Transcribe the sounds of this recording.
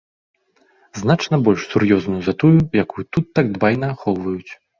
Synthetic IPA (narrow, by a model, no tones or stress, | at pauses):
znat͡ʂnɐbɔlʲʂsurjɔznujuzɐt̪ujujakujut̪ut̪ːaɡ̚d̪vajnɐːxɔwvɐjut͡sʲ